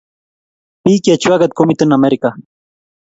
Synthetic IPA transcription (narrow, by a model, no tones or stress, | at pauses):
pikiat͡ʃuaɡat̪̚komit̪ənameɾika